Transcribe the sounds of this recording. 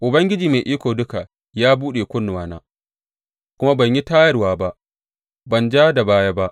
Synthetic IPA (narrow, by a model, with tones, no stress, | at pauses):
ʔʊ˨bɐ˦ŋɡʲɪ˦d͡ʒiː˨ma˨ʔiː˦kʷoː˨dʊ˦ka˨ | jaː˦buː˦ɗeː˨kʷʊ˦nː˨waː˨na̰ː˦ | kʷʊ˦ma˦bɐ˨ɲji˦taː˦jɐ˦rwaː˨ba˦ʔ | bɐ˨nd͡ʒaː˦da˨baː˦jaː˦ba˦ʔ